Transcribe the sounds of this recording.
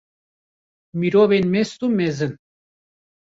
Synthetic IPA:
miɾovenmest̪umezɨn

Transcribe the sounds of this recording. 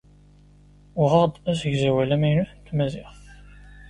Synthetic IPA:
ʊʁɑd̪ˤæsəɡzæwælæmæjnuθənt̪ːmæzɪθ

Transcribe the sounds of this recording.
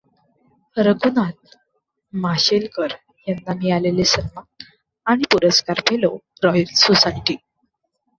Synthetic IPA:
əɾəɡunat̪̚ | maɕelkəɾ | janːamiːalelesəɾma | aɽ̃ipuɾəskaɾpʰelo | ɾɔjəlsosaiʈi

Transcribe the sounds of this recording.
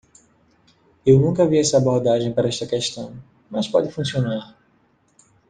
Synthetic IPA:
ewnũkɐviɛsɐaboɾd̪aʒẽj̃paɾɐɛst̪ɐkɛʃt̪ɐ̃w̃ | mɐspɔd͡ʒ̪ɪfũsionaɾ

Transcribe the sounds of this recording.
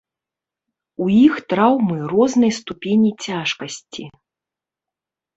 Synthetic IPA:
uixt̪ɾawmɨrɔznɐjst̪upʲenʲit͡sʲaʂkɐsʲt͡sʲi

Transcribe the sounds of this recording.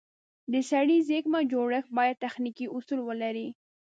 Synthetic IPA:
d̪əsaɽizekmad͡ʒoɽəxbɑjad̪̚t̪axnikiʔʊsulwəlaɾi

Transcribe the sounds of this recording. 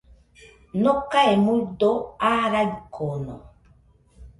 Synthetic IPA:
nɔkaɛmudoaɾaɡikʰɔnɔ̰

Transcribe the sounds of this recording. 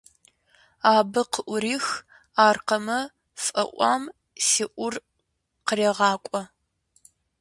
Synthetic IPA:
aːbɨqəʔʷʊɾiːx | aːrqɐmɐ | fʼɐ̰ʔʷɑ̰ːm | siːʔʷʊr | qəreːʁɑːkʷʼɔ

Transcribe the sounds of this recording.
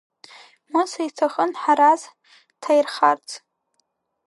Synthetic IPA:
musaitʰaχənħaɾaz | tʰajrχart͡sʰʼ

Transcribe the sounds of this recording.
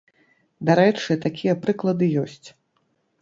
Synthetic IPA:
d̪aɾɛt͡ʂɨt̪akʲijɐpɾɨklˠɐd̪ɨjɔsʲt͡sʲ

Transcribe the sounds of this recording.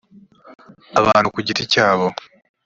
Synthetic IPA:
aβaːnhukuɟiticaːβo̞

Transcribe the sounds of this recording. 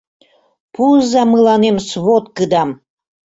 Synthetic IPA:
puzɑmɯlɑnemsβot̪kɯd̪ɑm

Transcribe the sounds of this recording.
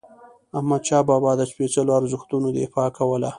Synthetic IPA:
ahmad̪̚t͡ʃɑbɑbɑd̪əʃpet͡səloaɾzʊxt̪unod̪ḛfɑkawəla

